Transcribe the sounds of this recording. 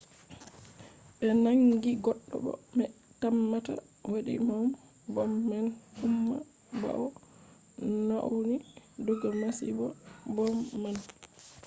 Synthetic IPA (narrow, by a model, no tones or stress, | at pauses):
ɓɛnaŋɡiɡɔɗːɔ̰ɓɔ̰mɛtamːata̰ | waɗḭmɔm | bɔmːanumːa | ba̰ɔ | na̰wnidɔɡamasibɔbɔmːan